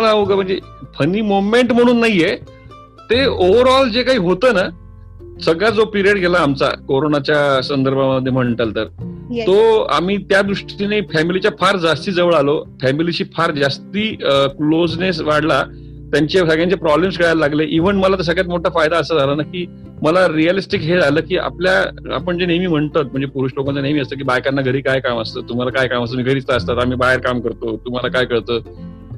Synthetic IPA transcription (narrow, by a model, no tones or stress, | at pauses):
əlaʋuɡəm̤əɳd͡ze | pʰəniːmomeɳʈm̤əɽ̃uːnːaɦije | t̪eoʋəɾɔld͡zekaɦiːɦot̪əːna | səɡjad͡zopiɾijəɽɡʱelaːmt͡sa̰koɾonat͡ɕjasənd̪əɾbʱaməd̪ʱːem̤əɳʈəlt̪əɾtt̪oa̰m̤iːt̪jad̪ɾuʂʈt̪inefɛmilit͡ɕjafʰaɾd͡zast̪iːd͡zəʋəɭalofɛmiliɕiːfʰaɾd͡zast̪iːklod͡znes̬ʋaɽla | t̪jaɲt͡ɕesəɡɭjãɲt͡ɕepɾɔblems̬ɡʱəɽɭallaɡleʔiʋəɳməlat̪əs̬əɡjat̪moʈʰafajd̪aːsad͡zʱalənakiː | məlaɾijəlisʈikɦed͡zʱaləːkiːʔa̰pljaa̰pəɳd͡ʑeneʋiːm̤əɳt̪ət̪̚m̤əɳd͡zepuɾuːʂlokant͡sənemiːəst̪əːkiːbajkanːaɡʱəɾiːkajkaməst̪əːt̪um̤alakajkaməst̪əmiːɡʱəɾiːt͡st̪aəst̪at̪am̤iːbaɦeɾkamkəɾt̪ot̪um̤alakajkəɭt̪əː